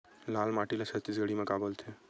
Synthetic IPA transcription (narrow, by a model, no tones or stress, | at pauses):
laːlmaʈilasʰət̪ːisɡəɽimẽkabəlt̪ʰe